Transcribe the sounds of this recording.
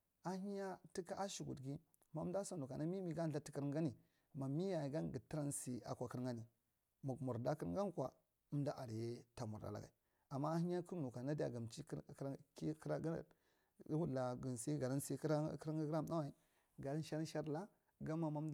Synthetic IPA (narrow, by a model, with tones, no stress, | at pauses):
a˦hi˦ɲa˦ti˦ka˦ʔa˦ʃi˨ɡṵ˨dɡi˦ | ma˦m˦da˦sa˨nu˨ka˨na˦mi˦mi˦ɡa˦n˨ɬa˦ti˦ki˦ɾŋɡa˦ni˨ | ma˨mi˦ja˨i˨ɡa˦nɡi˨ti˦ɾa˦nsi˨a̰˨kʷa˨kə˦ɾŋɡa˦ni˨ | mu˨ɡmu˨ɾda˦ki˦ɾŋ˦ɡa˦kʷa̰˨ | u˦mda˦ʔa˨ɾje˦ta˨mu˨ɾda̰˨la̰˨ɡa̰˨i˨ | a˨mːa˦hi˦ɲa˦ku˦ɾnu˨ka˨na˦di˦a̰˨ɡa˨mt͡ʃi˦˨˦i˦kɾa˦ɡ̰ | wu˦˨a˨ɡi˨nsi˦ɡa˨ɾa˦nsi˦ɾa˦kɾa˦ɾa˦m˦a˦wa˨i˨ | ɡa˨ɾa˦n˦ʃa˦ɾʃa˦ɾla˦ | ɡa˦ma˨ma˦md